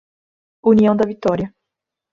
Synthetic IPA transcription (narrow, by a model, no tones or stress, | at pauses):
uniɐ̃w̃d̪ɐvit̪ɔɾiɐ